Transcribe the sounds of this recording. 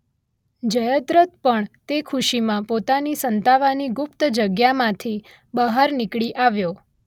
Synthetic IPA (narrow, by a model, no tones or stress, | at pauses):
d͡ʒəjəd̪ɾət̪pəɳt̪ekʰuʃimãpot̪anisənt̪aʋaniɡʊpt̪d͡ʒəɡjamãt̪ʰi | bəɦaɾnɪkɭiʔaʋjo